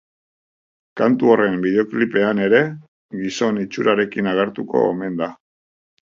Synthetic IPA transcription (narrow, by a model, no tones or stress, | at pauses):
kant̪uore̞mbiðe̞o̞klipe̞ane̞ɾe̞ | ɣiso̞nit͡ʃuɾaɾe̞kinaɣ̞eɾt̪uko̞̰ḛme̞nd̪a